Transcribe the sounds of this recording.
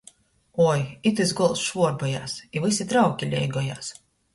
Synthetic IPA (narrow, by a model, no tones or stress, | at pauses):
ɔːjit̪ɨzɡɔlˠsʃvuɔɾbɔja̰ːsivɨsʲit̪ɾawkʲilʲɛjɡɔjaːs